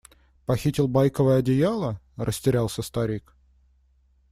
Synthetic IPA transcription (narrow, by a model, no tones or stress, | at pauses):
pɐxʲitʲɪlˠbajkəvəjəɐdʲɪjalˠə | rʔəsʲtʲɪɾʲalˠsʲəst̪ɐɾʲik